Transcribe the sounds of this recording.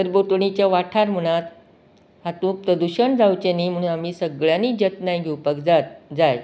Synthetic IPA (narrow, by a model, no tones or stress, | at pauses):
səɾbot̪ɳ̃it͡ɕjaʋaʈʰaɾm̤əɽ̃at̪ | hat̪ũpɾəd̪uɕəɳd͡zawt͡ɕeniːm̤əɽ̃ũːnamiːsəɡɭjanid͡ʑət̪najɡʱeupəkd͡zat̪d͡zaj